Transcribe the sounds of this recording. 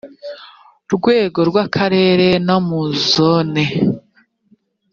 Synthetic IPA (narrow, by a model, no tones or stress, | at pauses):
ɾɡwe̞ːɡo̞ɾɡwakʰaɾe̞ːɾe̞namuzone